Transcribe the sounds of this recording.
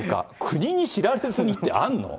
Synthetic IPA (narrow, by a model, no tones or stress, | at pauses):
ka̰kʰɯ̟ɲ̟iɲ̟iɕiɾaɾezɨɲ̟it̪ːe̞̰ʔa̰nːo̰